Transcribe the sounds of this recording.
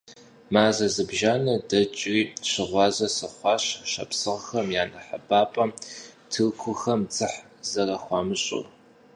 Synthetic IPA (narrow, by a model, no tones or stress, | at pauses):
maːzɐzɨbʒaːnɐdɐt͡ʃʼiːɕɪʁʷɑːzɐsɨχʷɑːɕɕɐ̰psɨʁxɐmjaːnɐħabaːpʼɐtʰɨkʷʰʊxɐmd͡zɨħ | zɐrɐxʷɑːmɨɕʼʊ̰r